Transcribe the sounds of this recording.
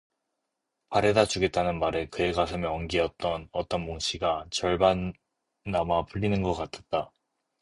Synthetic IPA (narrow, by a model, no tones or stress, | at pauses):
paɾe̞dad͡ʑuɡe̞t̚t͈anɯnmaɾɯkɯeɡasʰɯmjʌʌŋɡiʌt̚t͈ʌnʌt͈ʌnmoŋɕʰiɡat͡ɕʌɭbanː | amapɯʎːinɯnɡʌk͈atʰe̥t̚t͈a